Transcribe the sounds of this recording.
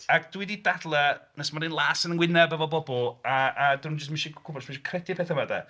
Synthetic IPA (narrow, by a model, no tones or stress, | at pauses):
aɡdwididadlˠənəsmanɨnlˠaːsənənwɪnɛbəvɔbɔbɔlˠaadinund͡ʒəs̬tmɪʃikʰʊbɔrsmɪʃi̥kʰrɛdɪpʰeːθəmada̰